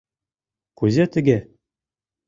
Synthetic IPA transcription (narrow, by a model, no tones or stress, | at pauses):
kʉzæt̪ɘ̆ɡæ